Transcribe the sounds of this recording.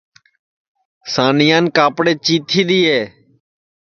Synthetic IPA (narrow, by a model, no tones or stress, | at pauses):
saːnɪjãːnkaːpɽeːt͡ʃiːt̪ʰiːɗ̪iːɦeː